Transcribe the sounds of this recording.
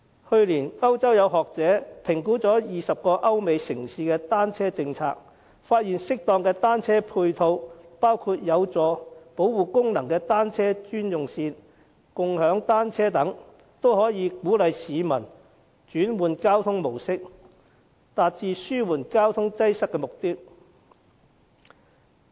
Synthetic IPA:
hɵ˧ɥliː˨˩nɐ˥wt͡sɐ˥wjɐ˨˧wɦɔː˨k̚t͡sɛː˨˥pʰɪ˨˩ŋkuː˨˥t͡sɔː˨˥jiː˨sɐ˨p̚kɔː˧ʔɐ˥wme˨˧jsɪ˨˩ŋsiː˨˧kɛː˧t̪aː˥nt͡sʰɛː˥t͡sɪ˧ŋt͡sʰa̰ː˧k̚ | faː˧t̚jiː˨˩nsɪ˥k̚t̪ɔː˧ŋkɛː˧t̪aː˥nt͡sʰɛː˥pʰuː˧jt̪ʰo˧wpaː˥wkʰuː˧t̚jɐ˨˧wt͡sɔː˨˧po˨˥wwuː˨˧kʊ˥ŋnɐ˨˩ŋkɛː˧t̪aː˥nt͡sʰɛː˥t͡ʃyː˥njʊ˨ŋsiː˧n | kʊ˨˧ŋhœː˨˥ŋt̪aː˥nt͡sʰɛː˥t̪ɐ˨˥ŋ | t̪o˥wɦɔː˨˥jiː˨˧kuː˨˥lɐ˨˧jsiː˨˧mɐ˨˩n | t͡ʃyː˨˥nwuː˨˧nkaː˥wt̪ʰʊ˥ŋmo˨˩wsɪ˥k̚ | t̪aː˨t̚t͡siː˧syː˥wuː˨˩nkaː˥wt̪ʰʊ˥ŋt͡sɐ˥jsɐ˥kːɛː˧mʊ˨k̚t̪i˥k̚

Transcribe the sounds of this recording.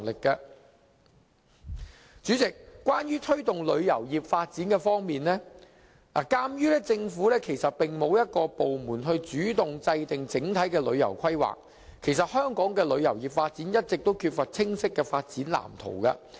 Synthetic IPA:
lɪ˨kːɐ˧ | t͡syː˨˥t͡sɪ˨k̚kːwaː˥njyː˥t̪ʰɵ˥ɥt̪ʊ˨ŋlɵ˨˧ɥjɐ˨˩wjiː˨p̚faː˧t̚t͡siː˨˥nkɛː˧fɔː˥ŋmiː˨˩nlɛː˥ | lʔa̰ː˨˩kaː˥mjyː˥lɛː˥t͡sɪ˧ŋfuː˨˥lɛː˥kʰe˨˩jsɐ˨t̚pɪ˨˩ŋmo˨˧wjɐ˥t̚kɔː˧po˨wmuː˨˩nɦɵ˧ɥt͡ʃyː˨˥t̪ʊ˨ŋt͡sɐ˧jt̪ɪ˨ŋt͡sɪ˨˥ŋt̪ʰɐ˨˥jkɛː˧lɵ̰˨˧ɥjɐ̰˨˩wkʰɐ˥jwa̰ː˨k̚ | kʰe˨˩js̬ɐ˨t̚hœː˥ŋkɔː˨˥ŋkɛː˧lɵ˨˧ɥjɐ˨˩wjiː˨p̚faː˧t̚t͡siː˨˥njɐ˥t̚t͡sɪ˨k̚t̪o˥wkʰyː˧t̚fɐ˨t̚t͡sʰɪ˥ŋsɪ˥kːɛː˧faː˧t̚t͡siː˨˥nla̰ː˨˩mt̪ʰo̰˨˩wkɐ̰˧

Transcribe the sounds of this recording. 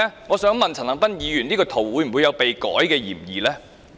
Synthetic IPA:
ɛː˥ŋɔː˨˧sœː˨˥ŋmɐ˨nt͡sʰɐ˨˩nlɐ˨˩ŋpɐ˥njiː˨˧jyː˨˩niː˥kɔː˧t̪ʰo˨˩wwuː˨˧jm̩˨˩wu˨˧jɐ˨˧wpe˨jkɔ̰ː˨˥jkɛː˧jiː˨˩mjiː˨lɛː˥

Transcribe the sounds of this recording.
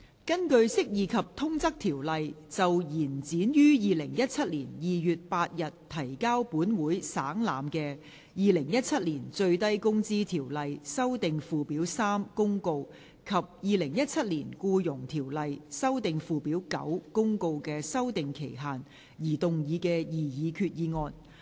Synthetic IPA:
kɐ˥nkɵ˧ɥsɪ˥k̚jiː˨˧kʰɐ˨p̚t̪ʰʊ˥ŋt͡sɐ˥k̚t̪ʰi˨˩wlɐ˨j | t͡sɐ˨wjiː˨˩nt͡siː˨˥njyː˥jiː˨˧lɪ˨˩ŋjɐ˥t̚t͡sʰɐ˥t̚liː˨˩njiː˨jyː˨t̚paː˧t̚jɐ˨tt̪ʰɐ˨˩jkaː˥wpuː˨˥nwuː˨˥jsa̰ː˨˥ŋla̰ː˨mkɛː˧ | jiː˨˧lɪ˨˩ŋjɐ˥t̚t͡sʰɐ˥t̚liː˨˩nt͡sɵ˧ɥt̪ɐ˥jkʊ˥ŋt͡siː˥t̪ʰiː˨˩wlɐ˨jsɐ˥wt̪ɪ˨ŋfuː˨˧piː˨˥wsaː˥mkʊ˥ŋko˧w | kʰɐ˨p̚jiː˨˧lɪ˨˩ŋjɐ˥t̚t͡sʰɐ˥t̚liː˨˩nkuː˧jʊ˨˩ŋt̪ʰiː˨˩wlɐ˨jsɐ˥wt̪ɪ˨ŋfuː˧piː˨˥wkɐ̰˨˥wkʊ˥ŋko˧wkɛː˧sɐ˥wt̪ɪ˨ŋkʰe˨˩jɦaː˨n | jiː˨˩t̪ʊ˨ŋjiː˨˧kɛː˧jiː˨˩jiː˨˧kʰyː˧t̚jiː˨˧ŋɔː˧n

